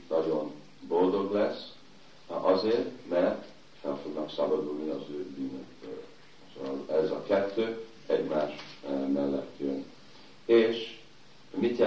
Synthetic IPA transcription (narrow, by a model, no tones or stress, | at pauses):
nɒɟo̞n | bo̞ld̪o̞ɡlɛs | ɒzeːrt̪mɛrt̪ | fɛlfo̞ɡnɒksɒbɒd̪ulniɒzøːbyːnøkbøl | lɛzɒkɛt̪ːøː | ɛɟmaːʃmɛlːɛ̰t̪jøn | eːʃ | mit̪jɛ